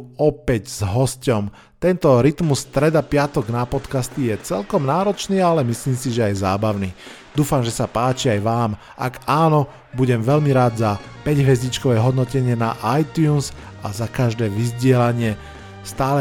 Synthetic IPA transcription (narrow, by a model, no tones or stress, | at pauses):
ɔpɛɟz̥ɦɔscɔm | t̪ɛnt̪ɔɾit̪musːt̪ɾɛd̪apɪat̪ɔɡnapɔt̪kast̪ijɛt͡sɛ̰lkɔmnaːɾɔt͡ʃniːalɛmisliːmsiʒɛajzaːbaʊniː | d̪uːfamʒɛsapaːt͡ʃiajʋaːm | a̰ɡaːnɔ | buɟɛmʋɛlmiɾaːd̪zapɛɟɦʋɛzit͡ʃkɔʋɛɦɔd̪nɔcɛɲɪɛnaʔajt̪juːnz | a̰zakaʒd̪ɛːʋizɟɪɛlaɲɪɛ | st̪aːlɛ